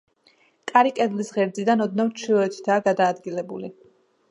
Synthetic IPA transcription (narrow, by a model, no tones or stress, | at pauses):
kʼaɾikʼɛd̪lisʁɛɾd̪zid̪anɔd̪̚navɾt͡ʃʰilˠɔɛt̪ʰi̥t̪ʰaːɡad̪aːd̪ɡilɛbṵli